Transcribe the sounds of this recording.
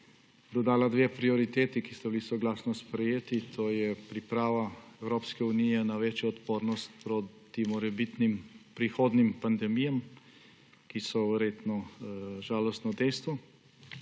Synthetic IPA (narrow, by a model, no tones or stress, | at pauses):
d̪ɔd̪aːlad̪ʋeːpɾiɔɾit̪eːt̪ikist̪ɛbilisɔɡlaːsnɔspɾɛjeːt̪it̪ʰoːjɛpɾipɾaːʋaɛwɾoːpskɛunijɛnaʋeːt͡ʃjɔɔt̪poːɾnɔst̪̚pɾot̪imɔɾɛbit̪nimpɾixoːd̪nimpand̪ɛmijam | kisɔʋɛɾjeːt̪nɔʒaːlɔst̪nɔd̪ɛjst̪ʋɔ